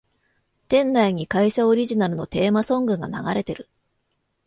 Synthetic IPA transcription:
t̪ẽ̞nːaiɲ̟ikaiɕao̞ɾʲiʑinaɾɯ̟no̞t̪e̞ːmasõ̞ŋɡɯ̟ŋɡana̰ɡa̰ɾe̞t̪e̞ɾɯ̟

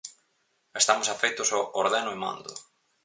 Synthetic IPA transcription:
est̪amʊsafejt̪ʊsoʔoɾðɛnʊemã̰nd̪ʊ

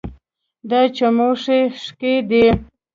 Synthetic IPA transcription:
d̪at͡ʃamoʂeʂked̪i

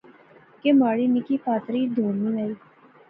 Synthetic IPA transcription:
kemaːɽiːnɪkiːpaːt̪ɾiːd̪ʱoːmĩːlaiː

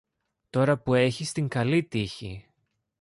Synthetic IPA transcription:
t̪o̞ɾɐpue̞çist̪iŋɡɐlit̪içḭ

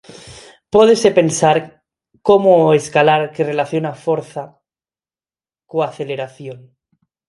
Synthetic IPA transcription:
poðese̞pe̞nsaɾ | ko̞moeskalaɾkere̞laθjonafo̞ɾθa | koaθe̞le̞ɾaθjo̞n

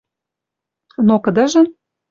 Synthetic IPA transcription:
nokə̆d̪əʒɤ̆

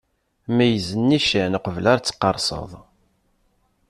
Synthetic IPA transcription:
mæjəzənːiʃænəqəvəlaɾt͡sːə̥qːɑ̰ɾˤsˤə̰ðˤ

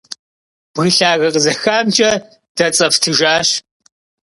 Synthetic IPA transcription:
b̥ɣɨɬaːɣɐqəzɐxaːmt͡ʃʼɐ | d̥ɐt͡sʼɐftʰɨʒaːɕ

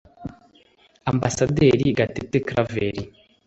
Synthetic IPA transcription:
ambasadeɾiɡatetekɾaveɾi

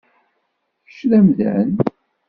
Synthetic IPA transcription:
əʃɾæmðæ̰n

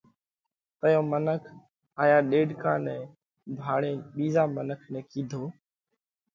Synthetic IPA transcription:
t̪əjõːmənəkʰ | aːjaːɗeːɖkãːnɛ̃ː | bʱaːɽẽːɓiːzaːmənəkʰnɛ̃ːkĩːd̪ʱoː

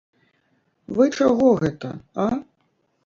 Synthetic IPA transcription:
vɨt͡ʂaɣɔɣɛt̪ɐ̰a

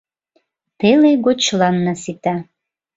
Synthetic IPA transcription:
t̪eleɡot͡ɕlɑnːəsit̪ɑ

